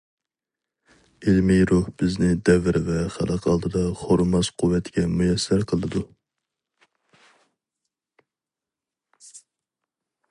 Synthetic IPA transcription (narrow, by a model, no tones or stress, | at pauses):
ɪlmijɾuhbɪznɪd̪ɛvɪɾvɛχæ̰lˠʔəqʰɑlˠd̪ɨd̪ɑχoɾmɑz̥qʰuwːɛt̪ʰɡʲɛmujɛsːæɾqʰəlˠɨd̪u